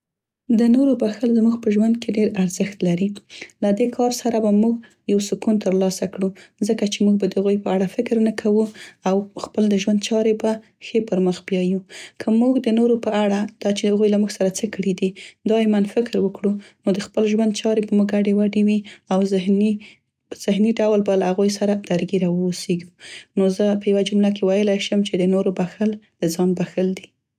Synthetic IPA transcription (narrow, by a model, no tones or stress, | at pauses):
d̪ənoɾobaxəlzmuɡpəʒwand̪keɖeɾaɾzəxt̪laɾilad̪ekʰɑɾsaɾabamuɡ | jawsʊkunt̪əɾlɑsakɽuzəkat͡ʃemuɡ̚bad̪əhaɣujpəaɽafɪkɾnəkʰawuawxpəld̪əʒwand̪̚t͡ʃɑɾeba | xepəɾməxbjɑjukʰəmuɡd̪ənoɾopəaɽad̪̥ɑt͡ʃeaɣujlamuɡsaɾat͡səkəɽid̪id̪ɑjemanfɪkɾwəkɽunod̪əxpəlʒwand̪̚t͡ʃɑɾepəmuɡaɖewaɖewiawzɪhn | z̥ɪhniɖawlbalahaɣujsaɾad̪̥aɾɡiɾɑwəuseɡunozəpəjawad͡ʒʊmlakewajəlajʃəmt͡ʃed̪ənoɾobaxəld̪̥əzɑnbaxəld̪i